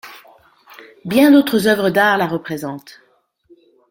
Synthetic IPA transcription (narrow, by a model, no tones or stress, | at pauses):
bjɛ̃d̪ot̪χəzœvʁəd̪aʁlaʁəpχezɑ̃t̪